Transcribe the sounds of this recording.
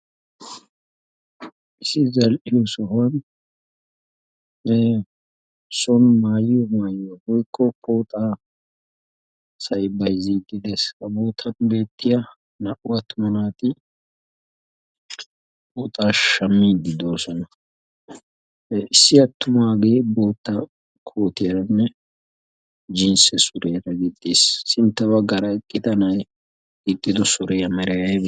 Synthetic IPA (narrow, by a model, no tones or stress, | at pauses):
ɪsːɪzɐlʔɪjɔsɔɦɐn | sɔnmaːjjɔmaːjjɔwɔjkʰʼːɔkʰoːt̪ʼaː | sɐjbɐjziːd̪ɪd̪eskɐboːt̪ʰɐnbe̞ːt̪ʼːɪja | nɐʔʊɐt̪ːʊmɐnaːt̪ɪ | boːt̪ʼaːʃɐmːiːd̪ɪd̪o̞ːsɔnɐ | ɪsːɪɐt̪ːʊmaːɡe̞ːbo̞ːt̪ːɐ | kʰoːt̪ɪjɐnːɛ | d͡ʒɪnsɛsʊɾɛjɾɐɡɪd̪ːeːsːɪnt̪ːɐbɐɡɐɾɐɛkʼːɪt̪ɐnɐj | ɡɪd̪ːɪd̪ɔsʊɾɛjɐmɛɾɛjɐb